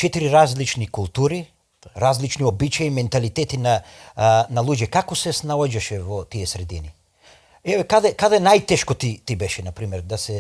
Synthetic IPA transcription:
t͡ʃɛt̪iɾiɾazlit͡ʃnikulˠt̪uɾi | ɾazlit͡ʃniobit͡ʃajimɛnt̪alit̪et̪ina | nalˠuːd͡ʒɛkakosɛsnaod͡ʒaʃɛʋot̪ijesɾed̪ini | eʋekad̪akad̪aenajt̪eʃkot̪it̪ibɛʃɛnapɾimɛɾd̪asɛ

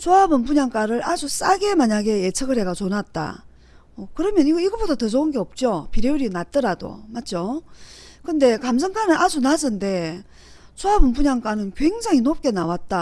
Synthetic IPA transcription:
t͡ɕʰoabɯnpuɲaŋk͈aɾɯɾad͡ʑus͈aɡemaɲaɡe̞et͡ɕʰɯɡɯɭɦe̞ɡat͡ɕonat̚t͈a̰ | okɯɾʌmjʌniɡʌiɡʌbodatɯs̬ʰounɡe̞ʌp̚t͡ɕ͈opiɾeuɾinat̚t͈ɯɾado̰mat̚t͡ɕ͈o | kɯnde̞kams̬ʰɯŋk͈ʰanɯʔad͡ʑunad͡ʑɯnde̞ | t͡ɕʰoabɯnpuɲaŋk͈anɯnkwe̞ŋd͡ʑaŋinop̚k͈e̞nawat̚t͈a

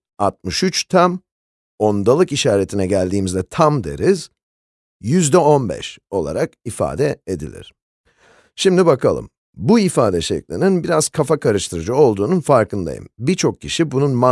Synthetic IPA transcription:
at̪̚mɯʃyt͡ʃt̪ʰam | o̞nd̪alˠɯkiʃaːɾe̞t̪ʰinɛɟælʲd̪iːmizd̪ɛt̪ʰamd̪e̞̰ɾiz̥ | jyzd̪ɛo̞nbɛ̰ʃo̞lˠa̰ɾakifa̰ːd̪ɛed̪ḭlʲḭɾ̥ | ʃimd̪ibakʰalˠɯ̰m | buifaːd̪ɛʃɛ̰clʲininbiɾaz̥kʰafakʰaɾɯʃt̪ʰɯɾɯd͡ʒɯo̞lˠd̪uːnunfaɾkɯnd̪a̰jɯ̰mbiɾt͡ʃʰo̞k̚cʰːiʃibununma

